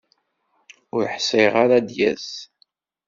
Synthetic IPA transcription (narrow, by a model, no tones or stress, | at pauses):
ʊɾħseʁaɾad̪jæ̰z